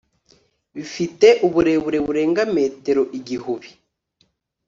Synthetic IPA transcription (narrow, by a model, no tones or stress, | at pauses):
βifite̞ʔuβuɾe̞βuɾe̞βuɾe̞ːŋɡame̞ːte̞ɾo̞ʔiɟihuβi